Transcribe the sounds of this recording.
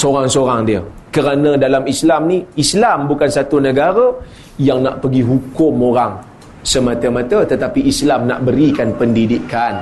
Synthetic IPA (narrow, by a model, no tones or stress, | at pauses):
soɾaŋsoɾaŋdiəkəɾanə̃dalamislamniislambukansat̪unəɡaɾə | jaŋna̰ʔpəɡiɦukʊmoɾaŋ | səmat̪əmãt̪ət̪ət̪apiʔːslamna̰ʔbəɾikanpəndidikan